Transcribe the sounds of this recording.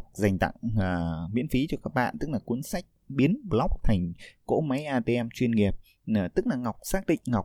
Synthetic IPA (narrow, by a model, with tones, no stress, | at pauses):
za˨˩jŋ̟t̪a̰˧˨ŋː˨˩mḭ˧˥ənfi˨˦t͡ɕɔ˧kaː˦˥k̚ɓa̰ː˧˨nt̪ɨ˦˥k̚laː˨˩ku˨˦ənsa˦˥jk̚ɓi˨˦ənɓlɔ˦˥wk͡p̚t̪ʰa˨˩jŋ̟ko̰˧˥ma˨˦jʔaː˧t̪e˧ʔɛ˧mt͡ɕwi˧ənŋi˨˩əp̚ː | t̪ɨ˦˥k̚laː˨˩ŋa˨˩wk͡p̚saː˦˥k̚ɗḭ˧˨ŋ̟ŋa˨˩wk͡p̚